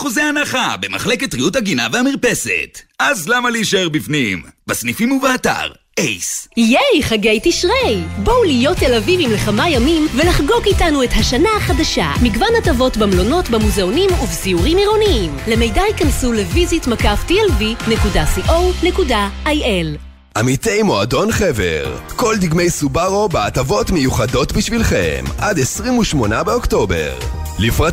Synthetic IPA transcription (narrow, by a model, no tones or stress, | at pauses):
χuzeanaχa̰bema̰χleketʁiuthaɡinavehamiʁpe̞sḛtazlamaliʃeʁbifnḭmbasnifimuveata̰ʁ | ejsijejχaɡe̞jtiʃʁejbowlijo̞tːe̞lavivimleχamajamimvelaχɡo̞kitanuethaʃanaχadaʃa̰mikvanhatavo̞tbamlo̞no̞tbamuzeonimuvziuʁimiʁo̞niimle̞me̞jdaikansule̞vizitmakaftielvine̞kudasiʔowne̞kudaajʔel | ʔamitejmo̞a̰do̞nχeve̞̰ʁko̞ld̪iɡme̞jsubaʁo̞beatavo̞tmejuχado̞tbiʃvilχḛmʔadesʁimuʃmo̞nabeo̞kto̞be̞̰ʁ | lifʁa